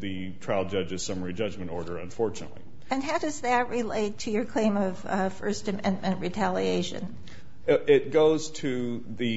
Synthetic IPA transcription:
ðɨ | tʰɹ̥aɪlˠd͡ʒʌd͡ʒɨz̥sʌmə˞id͡ʒʌd͡ʒmɨ̃ntɔɹɾə˞ɨ̰̃ɱfɔɹt͡ʃɨnə̰tˡlḭ | ɨ̃nɦaʊdʌzðɨt̚ɹɪleɪtʰɨjə˞kʰl̥ẽɪ̃mʌv̥fɜ˞stɨmɛ̃nmɨ̃nʔɹitʰælˠieɪʃɨ̰̃n | ɪt̚ɡ̥oʊz̥tʰɨ | ðɨ

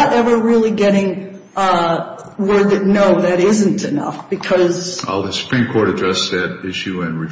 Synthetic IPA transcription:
əɾɛvə˞ɹɪlˠiɡɛɾɪ̃ŋ | wɜ˞d̪̚ðɨnoʊðɨɾɪzɨ̃n̩tʰɨnʌ̰fb̥ɨkʰʌza̰ɪlˠðɨsə̥pʰɹ̥ĩmkʰɔɹɾɨdɹɛsðɨɾɪʃʉɪ̃nɹɨ

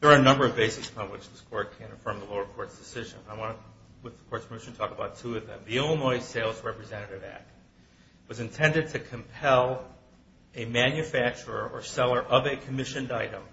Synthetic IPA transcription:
ðə˞ːɨnʌ̃mbə˞ʌvbeɪsɨspʰɑ̃nwɨ̰t͡ʃðɪskʰɔɹt̚kʰɨ̃nɨfɜ̃˞mðəloʊə˞kʰɔɹtsd̥ɨsɪʒɨ̰̃naɪwɑ̃ñəwɨðəkʰɔɹtskʰmɪʃn̩tʰɔkəbaʊtʰʉʌvðɨ̰̃mðiõʊ̃nɔɪz̥seɪlˠzɹɛpɹɨzɛ̃ɾ̃ɨɾɨvæ̰k̚t̚ | wʌzɨ̃ntʰɛ̃ndɨd̚tʰɨkʰɨ̃mpʰɛlˠ | ɨmæ̃njɨfæk̚t͡ʃə˞ə̰˞ʔə̰˞sɛlˠə˞ʔʌvɨkʰɨmɪʃɨ̃ndaɪɾə̃m

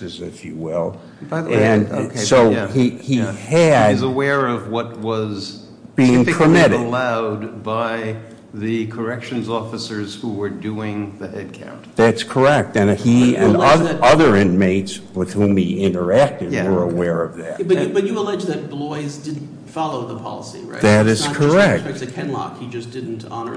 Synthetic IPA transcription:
ɨzɪfjɨwɪlˠ | baɪɨ̃nkʰsoʊhiiɨdʌzəwɛɹʌvwʌt̚wʌz | b̥iɪ̃ŋpʰə˞mɪɾɨlaʊd̚baɪ | ðɨkʰə˞ɛkʃɨ̃nzɔfɨsə˞z̥huwə˞duɪ̃ŋðɨhɛd̚kʰã̰ʊ̃ntðætskʰə˞ɛk̚tɨ̃niɨ̰̃nʌðɨʌðə˞ɪ̃nmeɪtswɨð̥hũmiɪ̃nə˞æk̚tɨd̚wə˞əwɛɹʌvðæ̰t̚bʌɨbʌt͡ʃɨəlɛd͡ʒðɨt̚b̥lɔɪzdɪdⁿn̩tfɑlˠoʊðəpʰɑ̰lˠəsḭɹa̰ɪðɨɾɨz̥kʰə˞ɛk̚ɛkɨkʰɛ̃nlɑ̰khid͡ʒʌsd̥ɪdⁿn̩tʰɑ̰nə̰˞

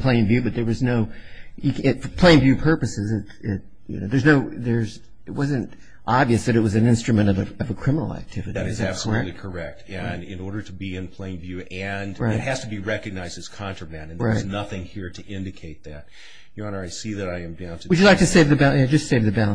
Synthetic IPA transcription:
pʰl̥ẽɪ̃nvjʉbʌt̪̚ðə˞wʌznoʊjɨkɪtfə˞pʰl̥ẽɪ̃nvjʉpʰɜ˞pɨsɨzɨtɪt̚ | jɨ̰no̰ʊðə˞znoʊðə˞z | ɨt̚wʌzɨ̃nt | ʔɑbviɨsðɨɾɨt̚wʌzɨ̃nɪ̃nstɹ̥ɨmɨ̃ɾ̃ʌvɨʌvɨkʰɹ̥ɪ̃mənl̩ˠæ̰k̚tʰɪvɨɾiɨɾɨzæb̥sələ˞ɛtˡlikʰə˞ɛk̚tʰɨ̃nɪ̃nɔɹɾə˞ɾəbiɨ̃npʰl̥ẽɪɪ̃nvjʉʔɨ̃nɹaɪɨt̚hɨz̥tʰɨbiɹɛkɨɡ̚naɪzdɨz̥kʰɑ̃nt͡ʃɹ̥ə˞mæ̃nɨ̃n̩ɹaɪznʌθɪ̃ŋhiɹɾɨʔɪ̃ndɨkʰeɪt̪̚ðæt̚ | jəɑ̃nə˞aɪsiðɨɾaɪɨ̃mbĩnswid͡ʒɨdˡlaɪktɨseɪvðɨbæaɪd͡ʒʌstseɪvðɨbælˠə̃

